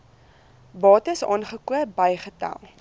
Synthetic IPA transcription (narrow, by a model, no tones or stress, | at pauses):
bɑːtəsɑ̰ːnχəkuəbɐjχətɐ̰lˠ